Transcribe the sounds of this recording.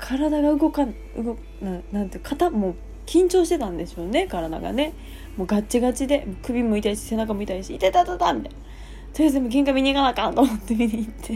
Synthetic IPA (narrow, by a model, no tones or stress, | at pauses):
kʰaɾad̪aɡaɯ̟ɡo̞kan | ɯɡo̞k | nãnãnt̪ekʰat̪amo̞ː | kʲĩɲ̟t͡ɕo̞ːɕi̥t̪e̞t̪ãnd̪e̞ɕo̞ːne̞kaɾad̪a̰ɡa̰ne̞ | mo̞ːɡatt͡ɕːiɡat͡ɕid̪e̞moːkɯ̟bʲimoit̪aiɕi̥se̞nakamoit̪aiɕiːt̪et̪at̪ot̪a̰mʲit̪aijn | soɾisemoɡ̬ẽ̞ŋkamʲiɲ̟ikanakãnt̪omot̪ːemʲiɲit̪ʰːe̞